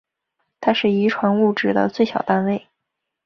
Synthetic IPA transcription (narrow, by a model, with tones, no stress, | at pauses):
t̪ʰa˥ʂɻ̩˥˩i˧˥ʈ͡ʂʰwa˧˥nu˥˧ʈ͡ʂɻ̩˥˩d̪ə̰˩t͡swe˥˩ɪɕjɑ˨˩ʊt̪a˥˧nwe˥˩ɪ